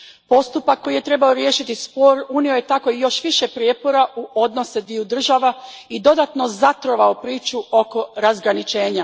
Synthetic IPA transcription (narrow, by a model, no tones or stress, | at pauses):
po̞st̪upakːo̞jije̞t̪ɾe̞baoɾje̞ːʃit̪ispo̞ːɾuniojet̪ako̞ijo̞ʃʋiʃe̞pɾijepo̞ɾaʔuʔo̞d̪no̞sed̪ʋiud̪r̩ʒaʋaid̪o̞d̪at̪no̞zat̪ɾo̞ʋaopɾiːt͡ʃuʔo̞ko̞ɾazɡɾanit͡ʃe̞ːɲa